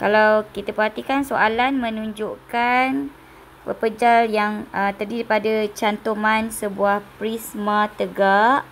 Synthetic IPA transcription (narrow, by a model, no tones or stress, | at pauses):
kalawkit̪apəhɦat̪ikansoʔalanmə̃nũɲd͡ʒoʔkan | pə̰pəd͡ʒaljaŋʔət̪ərdiɾipadat͡ʃant̪omansəbuahpɾismat̪əɡaʔ